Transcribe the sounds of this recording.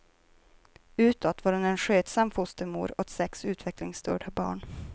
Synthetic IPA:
ʉ̟ːt̪ɔt̪vaːɾʊnɛnɧøːt̪samfʊst̪əɾmṵːɾɔt̪sɛksʉ̟ːt̪ʰvɛklɪŋst̪ʰœ̰ːɖabɑ̰ːɳ

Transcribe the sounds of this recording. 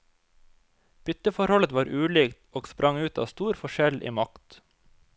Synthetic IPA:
b̥ʏt̪əfɔɾhɔlət̪ʋɑːɾʔʉːliːkt̪oːɡspɾʔɑŋʉːt̪ɑ̰ːst̪uːɾfɔʃɛlʔḭːmɑkt̪

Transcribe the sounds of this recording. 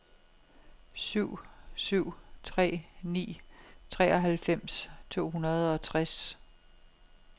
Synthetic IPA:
syʊ̰syʊ̰t͡sʰʁɛ̰ːnḭːt͡sʰʁɛːɒ̽ɦælfem̰st͡sʰo̝̰ːɦunɐð̞̩ˠɒ̽t͡sʰʁas

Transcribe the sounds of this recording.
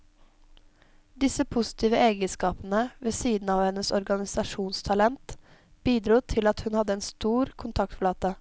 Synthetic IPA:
d̪ɪsəpʰʊsɪ̥t̪ʰiːʋəʔeːɡənskɑːpənəʋɛsiːd̪n̩ɑːʋhɛnəsɔɾɡɑnɪsɑʂuːnst̪ʰɑlɛnt̪ | b̥iːd̪ɾuːt̪ʰɪlɑt̪hʉnhɑd̪əɛːnst̪uːɾkʰʊnt̪ʰɑk̚t̪flɑːt̪ə

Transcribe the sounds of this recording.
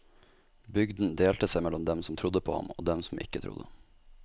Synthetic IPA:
bʏɡd̪n̩d̪eːlt̪əsɛɪmɛlɔmd̪ɛmsɔm̩t̪ʰɾʊd̪əpʰoːhɑ̰mo̰ːd̪ɛmsɔm̩ʔɪ̰kət̪ʰɾʊ̰d̪ə

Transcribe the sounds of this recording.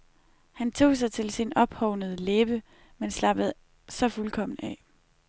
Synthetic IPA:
hænt͡sʰo̝̰ːs̬ɑ̈ɪt͡sʰe̝lsinɒ̽b̥hɒʊnəð̞ˠəleːb̥ə | menslɑ̈b̥əð̞̩ˠ | sɒ̽fulkʰɒ̽m̰n̩ɛ̰

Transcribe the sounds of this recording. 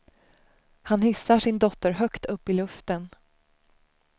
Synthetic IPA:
hanhɪsːaʂɪnd̪ɔt̪ːəɾɦœkt̪ʰɵpːɪlɵft̪ən

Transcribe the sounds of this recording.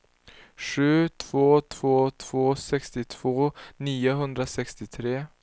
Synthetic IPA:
ʂʉːt̪ʰv̥oːt̪ʰv̥oːt̪ʰv̥oːsɛkst̪ɪt̪ʰv̥oːniːəɦɵnd̪ɾəsɛkst̪ɪt̪ʰɾeː

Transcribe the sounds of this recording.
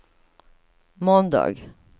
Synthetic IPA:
mɔnd̪ɑ̰ːɡ

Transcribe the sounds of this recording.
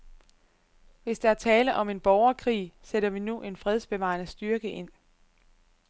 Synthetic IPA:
ʋe̝sd̥eæɐt͡sʰɛːləʔɒ̽me̝nb̥ɒʊɐkʰʁḭːseɾ̥ɐʋinuʔe̝nfʁɛð̞ˠsb̥e̝ʋɑ̰̈ɐnəsd̥yɐɡ̥əʔe̝n̰

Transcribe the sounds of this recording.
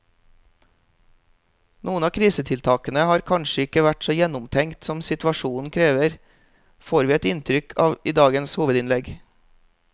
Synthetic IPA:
nʔuːənɑːkʰɾiːsət̪ʰɪlt̪ʰɑːkənəhɑːɾkʰɑnʃəɪkəʋæʈsoːjɛnʊmt̪ʰɛŋt̪sɔmsɪt̪ʋɑʃuːn̩kʰɾeːʋəɾ | foːɾʋiːɛt̪ɪnt̪ʰɾʏkʰɑːʋid̪ɑːɡənshuːʋəd̪ɪnlɛɡ

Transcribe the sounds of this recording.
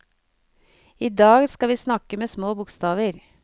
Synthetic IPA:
iːd̪ɑːɡskɑʋiːsnɑkəmeːsmoːbʊkst̪ɑːʋəɾ

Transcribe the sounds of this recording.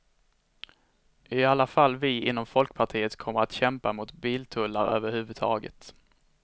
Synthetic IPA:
ʔɪalːafalːvɪɪnːɔmfɔlkpʰaʈʰiːət̪kʰɔmːəɾat̪ɕɛmpamʊt̪biːlt̪ʰɵlːaɾø̰ːvəɾhʉ̟ːvɵd̪̚t̪ʰɑːɡə̰t̪

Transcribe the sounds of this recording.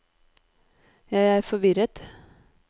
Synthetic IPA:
jæɪæːɾfɔʋɪɾət̪

